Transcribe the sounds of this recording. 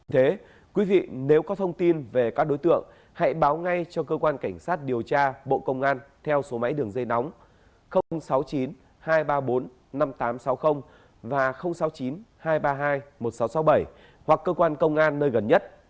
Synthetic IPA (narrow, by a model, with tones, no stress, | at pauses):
t̪ʰe˨˦ | kwi˨˦vḭ˧˨ne˨˦wkɔ˨˦t̪ʰə˧wŋ͡mt̪i˧nve˨˩kaː˦˥k̚ɗo˨˦jt̪ɨ̰˧˨əŋ | ha̰˧˥jɓaː˨˦wŋa˧jt͡ɕɔ˧kəː˧kwaː˧nka˧˩ŋ̟saː˦˥t̚ɗi˨˩əwt͡ɕaː˧ɓo̰˧˨kə˧wŋ͡mʔaː˧nt̪ʰɛ˧wso˨˦ma̰˧˥jɗɨ˨˩əŋzə˧jna˨˦wŋ͡m | xə˧ŋ͡msa˨˦wt͡ɕi˨˦n | haː˧jɓaː˧ɓo˨˦nː | a˧mt̪aː˨˦msa˨˦wxə˧wŋ͡m | vaː˨˩xə˧wŋ͡msa˨˦wt͡ɕi˨˦nhaː˧jɓaː˧ɦaː˧jmo˨˩t̚sa˨˦wsa˨˦wɓə˧˩j | hwa˨˩kːəː˧kwaː˧nkə˧wŋ͡mʔaː˧nːəː˧jɣə˨˩nɲə˦˥t̚